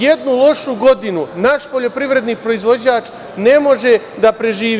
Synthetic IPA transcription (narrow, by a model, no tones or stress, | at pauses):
je̞d̪nulˠo̞ʃuɡo̞d̪inunaʃpo̞ʎo̞pɾiʋɾe̞d̪nipɾo̞izʋo̞d͡ʑaːt͡ʃ | ne̞mo̞ʒe̞ | d̪apɾe̞ʒiː